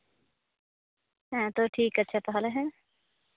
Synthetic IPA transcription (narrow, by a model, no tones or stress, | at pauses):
ɦɛ̃t̪oʈʰiːkətːʃʰat̪ɔɦɔleɦɛ̃